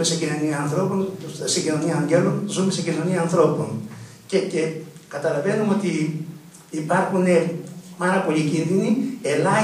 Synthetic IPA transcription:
eseɟino̞niɐːnθɾo̞ponseɟino̞niɐːɲɟelunzumesecino̞niɐːnθɾo̞po̞n | cecekɐt̪ɐlɐve̞numo̞t̪iː | pɐɾxune̞mɐɾɐpo̞ʎicinðinie̞lɐ

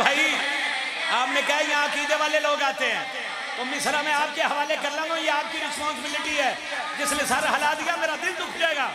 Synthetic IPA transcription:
bʱaːi | aːpnẽkɐɦejɐɦãkiːd̪eʋaːleloːɡaːt̪eɦɛ̃ː | t̪omɪsəɾamɛ̃aːp̚keɦɐʋaːlekɐɾlãːɡ̪ũjeaːp̚kiɾɪspɔ̃ːnsɪbɪlɪʈiɦɛː | d͡ʒɪslesɐɾɦɐlad̪ijameːɾad̪ɪld̪ʊkʰd͡ʒaːeːɡaː

